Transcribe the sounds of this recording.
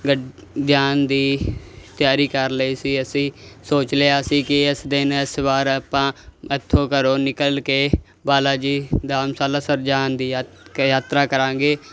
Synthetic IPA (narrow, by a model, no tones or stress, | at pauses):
ɡə | d̪jaːnd̪iːt̪jaːɾiːkəɾləiːsiːəsĩːsoːt͡ʃleːaːsiːkɪɪsd̪ɪnɪsbaːɾaːpãːɪt̪ʰːõːkəɾoːnɪkəlkeː | baːlaːd͡ʒiːd̪aːmsaːlaːsəɾd͡ʒaːnd̪iː | jaːt̪ɾaːkəɾãːɡeː